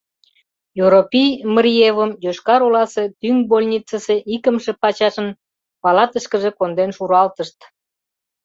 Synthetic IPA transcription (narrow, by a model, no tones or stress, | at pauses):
jyɾopʲijməɾievəmjoʃkɑɾolɑse̽t̪yŋbolʲnʲit͡səseʔikəmʃe̽pɑt͡ɕɑʃən | pɑlɑt̪əʃkə̆ʒekond̪enʃuɾɑlt̪əʃt̪